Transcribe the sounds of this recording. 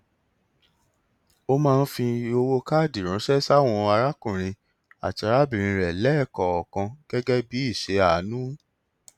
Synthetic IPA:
o˦mãː˦˧n̩˦fĩ˧o˧wo˦ka˦˨di˨ɾ̃ũ˨˦ʃɛ˦sa˦˨w̃ɔ̃˧a˧ɾa˦kũ˨ɾ̃ĩ˧ | a̰˨ta˨˧ɾa˦bĩ˨ɾ̃ĩ˧ɾɛ˨lɛ˦˨kɔ˨ɔ˨kã˧ɡ̥ɛ˦ɡɛ˦bi˨˦i˦˨ʃe˨˦a˨˦nũ˦

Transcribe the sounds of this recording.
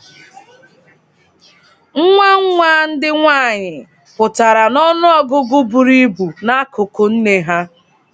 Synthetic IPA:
ŋ̩˦ŋʷa˦ŋ̩˦ŋʷaː˦n̩˦dɪ˦ŋʷaː˦˨ɲɪ˨ | pʊ˨ta˨ɾa˨nɔ˦nʊ˦ɔ˦ɡʊ˦ɡʊ˦bu˨ɾi˦bu˨na˦kʊ˨kʊ˨n̩˦ne˨ɦa˦

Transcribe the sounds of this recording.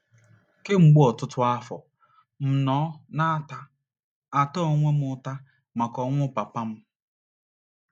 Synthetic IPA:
ke˦ŋ͡m̩˨ɡ͡bu˦ɔ˨tʊ˦tʊ˦a˦fɔ̰˨ | m̩˨nɔː˨˦na˦ta˦ | a˨tɔ˦o˨˦ŋʷe˦mʊ˦ta˦ | ma˨kɔ˨ŋʷʊ˦pa˨pa˦m̩˦

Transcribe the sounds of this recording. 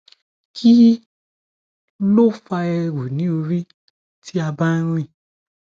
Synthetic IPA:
kʰi˦ | lo˦fa˧ɛ˧ɾu˨nĩ˨˦o˧ɾi˦ | ti˦a˧ba˦ɾ̃ĩ˦˨

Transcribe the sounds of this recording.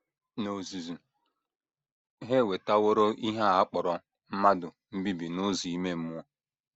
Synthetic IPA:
no˨zi˨zu˨ | ɦe˦˨we˨ta˦wo˦ɾo˦ʔi˦ɦa˦a˨˦k͡pɔ˨ɾɔ˨ | m̩˦ma˦dʊ˨ | m̩˦bi˦bi˨nʊ˦zi˨i˦me˦m̩˦mu˦ɔ˦

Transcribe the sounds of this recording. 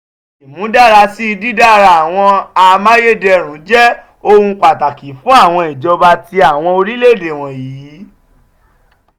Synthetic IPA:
i˨mũ˨˦da˦˨ɾa˧si˦˧di˦da˦˨ɾa˧a˨w̃ɔ̃˧a˧mã˦je˦˨dɛ˧ɾ̃ũ˨˦d͡ʒɛ˦ | o˧hũ˧k͡pa˨ta˨ki˨fũ˨˦a˦˨w̃ɔ̃˧i˨d͡ʒɔ˧ba˧ti˧a˨w̃ɔ̃˧o˧ɾi˦le˦˨de˨w̃ɔ̃˨jiː˨˦

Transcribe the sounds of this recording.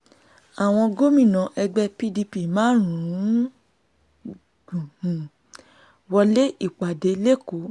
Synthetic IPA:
a˨w̃ɔ̃˧ɡo˦mĩ˦˨nã˨˧ʔɛ˧ɡ͡bɛ˦pi˦di˧pi˦˨mãː˦ɾ̃ũ˨ɾũ˦ | ɡ̥ũ˨hũ˨ | wɔ˧le˦ʔi˦˨k͡pa˨de˧le˦ko˨˦

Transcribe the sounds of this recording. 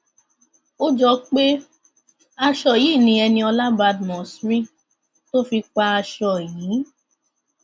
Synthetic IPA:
o˦d͡ʒɔ˧k͡pe˦ | a˧ʃɔ˦˨ji˨˦˨nĩ˨˧ɛ˧nĩ˧ɔ˧la˦ba˧˦dmɔ̃˨sɾi˦ | to˦fi˧k͡pa˧a˧ʃɔ˧˨jiː˨˦

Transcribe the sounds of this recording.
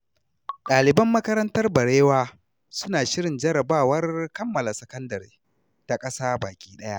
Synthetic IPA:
ɗaː˨lɪ˨bɐ˦mːɐ˦kɐ˦ɾɐ˦ntɐ˦rbɐ˨ɽeː˦waː˦ | sʊ˦naː˨ʃɪ˦ɽɪ˨nd͡ʒɐ˦ɾɐ˨baː˦˨wɐ˦rkɐ˦mːɐ˨la˨sɐ˨kɐ˦ndɐ˨ɾḭː˦ | ta˨kʼɐ˦saː˦baː˨kʲʼiː˦ɗɐ˦ja˦ʔ

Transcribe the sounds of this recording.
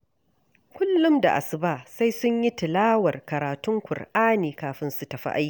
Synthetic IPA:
kʷʊ˦lːʊ˦mda̰˨ʔa̰˨sʊ˦baː˦sa˦jsʊ˦ɲji˦tɪ˨laː˦wɐ˨rkɐ˨ɾaː˨tʊ˦ŋkʷʊ˨rʔaː˦niː˨kaː˨ɸɪ˦nsu˨tɐ˨ɸa̰˦ʔa˦jkʲiː˨

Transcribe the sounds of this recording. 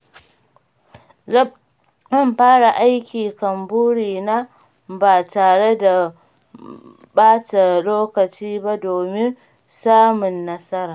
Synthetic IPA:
zɐ˦˨mɸaː˦ɽa˨ʔa˦jkʲiː˨kɐ˨mbuː˦ɽiː˨naː˦ | baː˨taː˨ɽe˦da˨ | baː˦ta˨loː˦kɐ˨t͡ʃiː˦ba˦doː˨mɪ˦n | saː˦mʊ˨nːɐ˦sɐ˦ɾaː˨

